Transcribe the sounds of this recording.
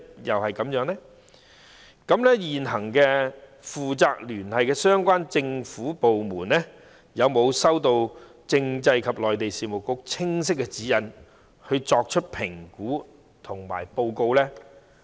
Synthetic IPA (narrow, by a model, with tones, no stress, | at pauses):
jɐ˨whɐ˨jkɐ˨˥mjœː˨˥ŋlɛ˥ | kɐ˨˥mlɛː˥jiː˨nɦɐ˨˩ŋkɛː˧ | fuː˨t͡saː˧k̚lyː˨˩nhɐ˨jkɛː˧sœː˥ŋkʷaː˥nt͡sɪ˧ŋfuː˨˥po˨wmuː˨˩nlɛː˥ | jɐ˨˧wmo˨˧wsɐ˥wt̪o˧w | t͡sɪ˧ŋt͡sɐ˧jkʰɐ˨p̚lɔː˨˩jt̪e˨jsiː˨mo˨wkʊ˨˥k̚t͡sʰɪ˥ŋs̬ɪ˥kːɛ˧t͡siː˨˥jɐ˨˧n | hɵ˧ɥt͡sɔː˧k̚t͡ʃʰɵ˥t̚pʰɪ˨˩ŋkuː˨˥ | t̪ʰʊ˨˩ŋma̰ː˨˩jpo˧wko˧wlɛː˥